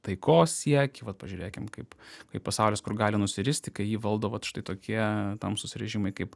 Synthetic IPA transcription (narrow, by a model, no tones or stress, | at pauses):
t̪ɐɪkoːssʲiɛkʲɪʋɐt̪pɐʒʲʉːɾʲeːkʲɪmkɐɪpkɐɪppɐsɑˑʊlʲeːskʊrɡɑːlʲɪnʊsʲɪɾʲɪsʲt̪ʲɪkɐɪjiːʋɐlˠd̪oːʋɐt̪ʃʲɪ̥t̪ɐɪt̪oːkʲʰiɛt̪ɐmsʊsʲɪɾʲɛʒʲɪmɐɪkɐɪp